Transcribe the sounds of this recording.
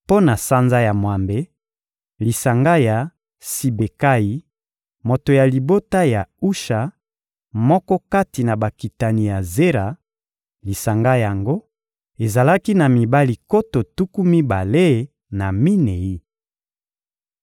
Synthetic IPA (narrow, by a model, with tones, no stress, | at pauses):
po˦na˨sa˦nza˦ja˨mwa˨mbe˨ | li˨sa˨ŋɡa˦ja˨ | si˨be˨ka˦ji˨ | mo˨to˨ja˨li˨bo˦ta˦ja˨u˦ʃa˨ | mɔ˦kɔ˦ka˦ti˨na˨ba˨ki˨ta˨ni˨ja˨ze˦ʁa˨ | li˨sa˨ŋɡa˦ja˨ŋɡo˦ | e˨za˨la˦ki˦na˨mi˨ba˦li˨ko˦to˨tu˦ku˦mi˦ba˨le˦ | na˨mi˦ne˨i˦